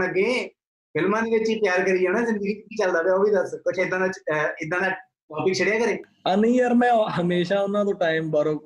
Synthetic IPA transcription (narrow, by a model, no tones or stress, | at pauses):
nəɡẽː | pʰɪlmaːniːet͡ʃiːpjaːɾkəɾiːoːnãːzɪ̃nd̪əɡiːt̪ːkiːt͡ʃəld̪aːʋɛːoːbiːd̪əɾsot͡ʃʰːɪd̪ːãːnãt͡ʃɪd̪ːãːna | ʈaːpɪk̚t͡ʃʰəɽɪjaːkəɾẽː | anəĩəɾmɛ̃ːɦəmeːʃaːʊnːãːt̪oːʈaːɪmbəɾoː